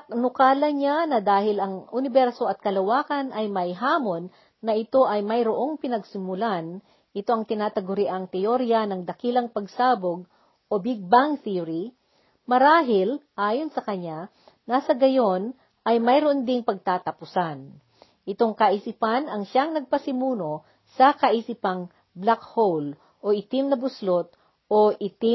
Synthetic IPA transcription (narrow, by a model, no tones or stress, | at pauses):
ɐknʊkaːlɐɲanɐd̪aːhɪlɐŋʊnɪbɛɾso̞ɐt̪̚kɐlɐwaːkɐnʔɐjmɐjɦaːmo̞nː | ɐʔɪt̪o̞ʔɐjmɐjɾoʔo̞ŋpɪnɐɡsɪmʊlan | ʔɪt̪o̞ʔɐŋt̪ɪnaːt̪ɐɡʊɾɪʔaŋt̪ɛʔoɾiɐnɐŋd̪ɐkilɐŋpɐɡsaːboɡ̚ | ʔo̞bɪɡ̚bɐŋθiɾi | mɐɾaːɦɪlʔaːjo̞nsɐkɐɲa | nasɐɡɐjo̞n | ʔɐjmɐjɾoʔond̪ɪŋpɐɡ̚t̪aːt̪ɐpʊsan | ʔɪt̪o̞ŋkɐʔisipanɐŋʃaŋnɐɡ̚pɐsɪmuːno̞ | sɐkɐʔisipɐŋ | blakhowl | ʔo̞ʔɪt̪ɪmnɐbʊslot̪̚ | ʔoʔɪt̪i